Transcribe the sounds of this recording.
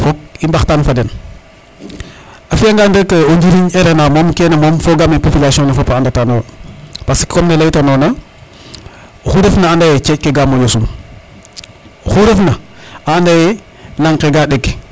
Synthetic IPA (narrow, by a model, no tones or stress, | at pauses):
fok̚imbaxtanfaden | afijaŋɡandəkeoɲd͡ʒiɾiɲeɾenamomkenemomfoɡamepopilasiõŋnefopaandatanowpaskkomnelajtanona | xuɾefnaandajet͡ʃec̚keɡamojosum | xuɾefnaaːndaje | laŋkeɡaɗeɡ